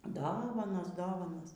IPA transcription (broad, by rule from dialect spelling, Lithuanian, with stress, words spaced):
ˈdoːʋɐnoːs ˈdoːʋɐnoːs